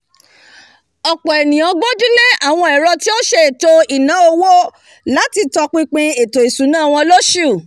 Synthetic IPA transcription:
ɔ˨k͡pɔ˨ɛ˨nĩ˨jɔ̃˨˦ɡ͡bo˦d͡ʒu˦le˦a˦˨w̃ɔ̃˧ɛ˨ɾɔ˧ti˨˦o˦ʃe˧e˨to˧i˨nã˨˦o˧wo˦ | la˨˦ti˧tɔ˧k͡pĩ˦k͡pĩ˧e˨to˨i˨sũ˨˦nãː˦˨w̃ɔ̃˧lo˦ʃi˦u˦˨

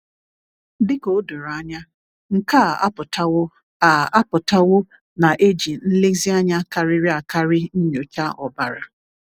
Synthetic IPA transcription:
dɪ˦ko˨˦dʊ˨ɾa˦ɲa˦ | ŋ̩˨ka˦˨a̰˦pʊ˨tʰa˦wʊ˦ | a˨a˦pʊ˨ta˦wʊ˦ | na˨ʔe˦d͡ʒi˨n̩˦le˦zi˦a˦ɲa˦ka˦ɾɪ˦ɾɪ˦a˨ka˦ɾɪ˦n̩˦ɲo˨t͡ʃa˦ʔɔ˨ba˨ɾa˨

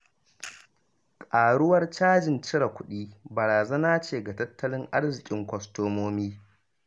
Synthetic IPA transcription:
kʼaː˨ɽʊ˦wɐ˦rt͡ʃaː˦d͡ʒɪ˨nt͡ʃɪ˦ɾa˨kʷʊ˦ɗiː˦bɐ˨ɾaː˨zɐ˦naː˦t͡ʃeː˦˨ɡa˨tɐ˦tːɐ˦lɪ˦ŋʔa˦rzɪ˨kʲʼɪ˨ŋkʷɔ˨stoː˦moː˦miː˦

